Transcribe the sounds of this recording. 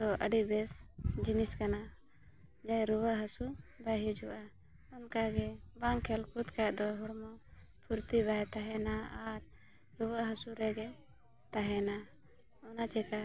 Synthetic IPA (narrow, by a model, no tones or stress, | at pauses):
d̪ɔʔə̰ɖibɛsd͡ʒiniskana | d͡ʒajɾuwəʔɦəsubaɦid͡ʒɔʔa | ɔnkaɡɛbaŋkʰɛlkut̪kaʔd̪ɔɦɔɽmɔ | pʰuɾt̪ibaɦɛt̪aɦɛnaaɾ | ɾubəʔɦəsuɾɛɡɛ | t̪aɦɛna | ɔnat͡ʃɛka